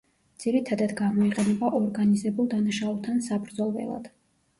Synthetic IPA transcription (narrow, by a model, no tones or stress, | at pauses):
d̪z̥iɾit̪ʰad̪ad̪ɡamɔiqʼɛnɛbaʔɔɾɡanizɛbulˠd̪anaʃaulˠt̪ʰansabɾd̪zɔlˠvɛ̰lˠa̰d̪̥